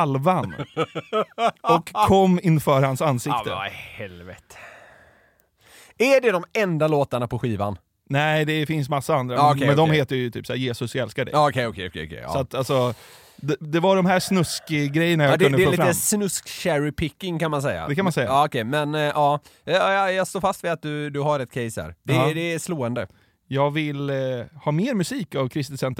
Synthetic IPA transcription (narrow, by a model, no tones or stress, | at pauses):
alvan | ɔkʰːɔmːɪnfœːɾhansansɪkt̪əhɛlvɛt̪ə̥ | æɖɛd̪ɔmɛnd̪aloːt̪aɳapɔɧiːva̰n | næɪd̪ɛfɪnsmasːaand̪ɾakɛɛnd̪ɔmheːt̪əɾjt̪ʰy̰ːpsæːɾjeːsɵsɛlskaɖɛ̰ːkʰɛɔkʰɛkʰɛ̰ɔ̰kʰɛ̰sɔat̪alsɔ | d̪ɛd̪ɛvaɖɔmɦæʂnɵskɪɡɾɛjːəɳajadk̪ɛɵnd̪əɛlːiːfɾat̪əsnɵskɕæɾɪpʰɪkːɪŋkanmansɛjːa̰d̪ɛkanmansɛjːaːɔkɛjmɛnʔɑː | jɑst̪oːɾfast̪vɪat̪̚d̪ɵd̪ɵɦaɾɛt̪̚kʰɛɪjshæ̰ːɾd̪ɛd̪ɛːsloːɛnd̪ə | jɑːɡvɪlhɑːmeːɾmɵsiːkavkʰɾɪst̪ɪsɛnt̪